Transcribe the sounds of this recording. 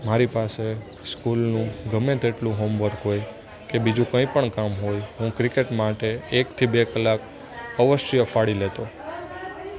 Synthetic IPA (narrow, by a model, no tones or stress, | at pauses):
maɾipase | skulnũɡʱəmẽt̪eʈlũɦomʋəɾɦoj | kebid͡ʒũkə̃ĩpəɳkamɦojɦũkɾikeʈmaʈeːkt̪ʰibekəlak | əʋəʃjəfaɽilet̪o